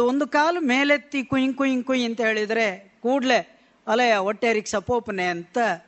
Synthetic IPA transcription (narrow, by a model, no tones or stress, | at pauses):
ond̪ukaːlɐmeːlet̪ːikujiŋkujiŋkujɐnt̪ɐɦe̞ːɭid̪ɐɾekuːɖle | ɐlɐjɐoʈːeːɾiksɐpoːpɐneɐnt̪ɐ